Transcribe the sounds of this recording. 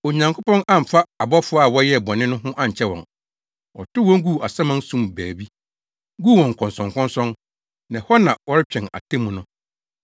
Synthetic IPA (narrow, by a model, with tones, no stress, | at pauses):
o˨ɲã˨ŋkʰʊ˦pʰɔ̃˦nã˦m̩˨fa˦a˨bɔ˦fʊ˦a˨wɔ˦jɛ˦˨bɔ˨nɪ̃˦nʊ̃˦ɦʊ̃˦ʔã˦ɲ̩˨t͡ɕʰɛ˦wɔ̰̃˨n | ɔ̰˨tʊ˦wɔ̃˦ŋɡu˦˨a˨sã˦mã˦n˦sũ˦mbæː˨bi˦ | ɡuː˦˨wɔ̃˨ŋ˨kʰɔ̃˨nsɔ̃˨ŋkʰɔ̃˦nsɔ̃˦n | nã˨hɔ˦nã˨wɔ˦ɾɪ˦t͡ɕᶣɛ̃˨na̰˨tʰe˦mũ˨˦nʊ̃˦